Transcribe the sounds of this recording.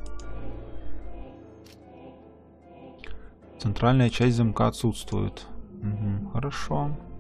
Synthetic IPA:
t̪sɨnt̪ralʲnəjɐt͡ʃʰasʲzɐmkaːt̪sut̪st̪vṵjʊ̰t̪m̩ɦm̩xɐɾaʂo

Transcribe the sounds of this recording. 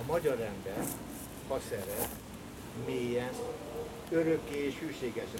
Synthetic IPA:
ɒmɒɟɒrːɛnd̪ɛn | hɒsɛɾɛ | meːjɛn | øɾøkːeːʃhyːʃeːɡɛʃ

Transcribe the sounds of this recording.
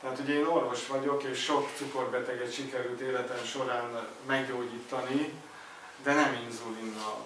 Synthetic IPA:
t̪ɛɦaːt̪uɟɛeːno̞rvo̞ʃʋɒɟo̞keːʃʃo̞kt̪suko̞rbɛt̪ɛɡɛt̪ʃikɛɾylt̪eːlɛt̪ɛmʃo̞ɾaːn | mɛɡɟoːɟiːt̪ːɒni | d̪ɛnɛminzulinːɒl

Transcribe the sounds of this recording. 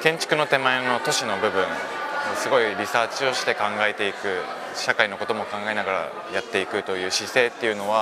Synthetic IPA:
kẽ̞ɲ̟t͡ɕi̥kɯ̟no̞t̪e̞maeno̞t̪o̞ɕino̞bɯ̟bɯ̟̃n | sɨɡo̞iɾʲisaːt͡ɕio̞ɕi̥t̪e̞kãŋɡae̞t̪e̞ikɯ̟ | ɕakaino̞ko̞t̪o̞mo̞kãŋɡae̞naɡaɾa̰ | jat̪ːe̞ikɯ̟t̪o̞jɯ̟ːɕise̞ːt̪ːe̞jɯ̟no̞βa

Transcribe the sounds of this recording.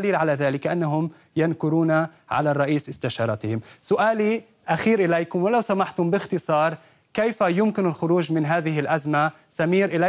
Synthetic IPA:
liːlʕalaðaːlɪkʔanːaɦʊm | jankʊɾuːnaʕa̰larˤːɑʔiːsʔɪst̪aʃɑːɾˤɑt̪ɪhɪmsʊʔaːli | ʔaxiːɾʔɪlejkʊmwɪlawsamaħt̪ʊmbɪxt̪ɨsˤɑːɾˤ | kejfajʊmkɪnɪlxʊɾuːʒmɪnɦaːðɪhɪlʔazma | samiːɾʔɪla

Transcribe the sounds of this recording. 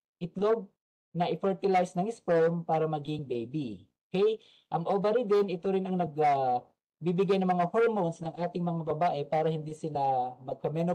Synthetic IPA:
ʔɪt̪lob̚ | nɐʔɪfɛɹt̪ɪlajsnɐŋɪspɛmpaːɾɐmɐɡiŋbejbiokɛj | ʔɐŋʔoːvɛɾid̪ɛnɪt̪oɾɪnɐŋnɐɡɐ | bibɪɡajnɐŋmɐŋahoɹmonsnɐŋʔaːt̪ɪŋmɐŋabɐbaːʔɛpaːɾɐhɪnd̪isɪlamɐɡ̚kɐmɛno

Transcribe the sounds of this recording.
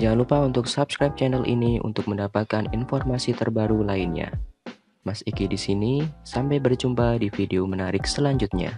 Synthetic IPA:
d͡ʒalupaunt̪ʊksapskɾajp̚t͡ʃɛnɛlʔḭniṵnt̪ʊk̚məndapat̪̚kanḭnfɔrmasit̪ərbaɾulainɲa̰ | masikidisinisampajbərd͡ʒumpadifideomənaɾɪk̚səlaɲd͡ʒut̪̚ɲa̰

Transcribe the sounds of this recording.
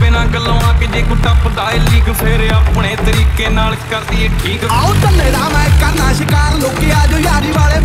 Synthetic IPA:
pɪnãːɡəlõːãːkɪd͡ʒeːɡʊɖãːpʊd̪aːeliːɡpʰeɾəpɳeːt̪əɾiːkeːnaːlkəɾd̪iːeːʈʰiːkːot̪ənːẽːd̪aːmɛ̃ːkəɾnaːʃɪkaːɾloːkijaːd͡ʒoːjaːɾiːʋaːleː

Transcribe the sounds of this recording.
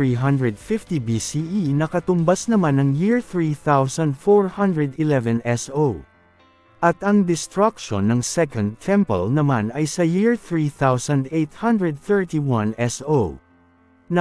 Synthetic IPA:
ɹiɦɐnd̪ɹɛd̪̚fift̪ibisiʔinɐkɐt̪ʊmbasnɐmanɐŋjiɹθɹiθawsɐ̃nd̪foɹhɐ̃nd̪ɹɛd̪ɪlɛvɛ̃nɛso | ʔɐt̪ɐŋd̪ɪst̪ɹakʃo̰nːɐŋsɛkɐ̃nd̪̚t̪ʰɛ̃mpɐ̰lnɐmanɐjsɐjiɹθɹiθawsɐ̃nd̪ejt̪̚hɐnd̪ɹɛd̪̚θɛɹt̪iwɐ̃nɛso | nɐ

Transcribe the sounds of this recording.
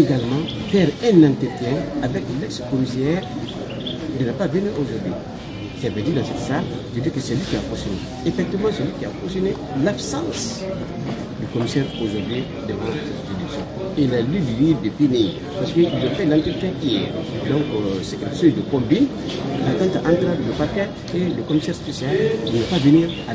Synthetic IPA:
eɡalmɑ̃fɛʁɛ̃nãnt̪ɾət̪jɛ̃avɛklɛkskɔmisɛːʁ | d̪ənapavenyʔoʒuʁd̪ɥi | sɛlavɛd̪id̪ãsɛt̪sal | ʒ̥əd̪ikəsɛlɥikʲiakɔ̃sjɔne | efɛk̚t̪ivmɑ̃sɛlikʲiafɔ̃sjɔne | labsãs | d̪ykɔmisɛːʁoʒuʁd̪ɥi | d̪əvɑ̃sɛt̪ed̪iksjɔ̰̃ | elalidiviːvd̪əpeni | paʁsə̥kəilːafɛlãnt̪ət̪ɛʔijɛʁd̪ɔ̃ŋksekɾasɔ̃d̪əkɔ̃mbĩn | at̪ãnt̪aʔãnt̪ɾɛ̃dləpaʁkɛ | eləkɔmisɛːʁspesjald̪ənapaveniːʁa

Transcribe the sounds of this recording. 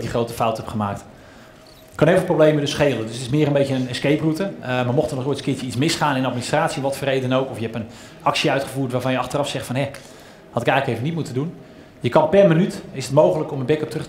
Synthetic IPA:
ɡdiχrowtəfawtɦɛpχəmaːk̚t | kɑneɪlˠvəlˠproblejmədɵsχejlˠəndɵsətɪsmɪːəɾənbejtəənənskejprutəmaɹmɔχtənɔojtskɪːt͡ʃəitsmɪsχaːnɪnɑt̚ministraːtsiɛnʋɑtfʊːrejdənowkɔfjəɦɛpən | ɑksiœɥtχəvuːɹtʋaːɹvɑnjəɑχtərɑfsɛχtfɑnɦɛ | hɑtɪkɛjxləkejvənit̚mutədun | jəkɑnpɛrmənytɪsətmowχələkɔmənbɛkəp̚trɵ

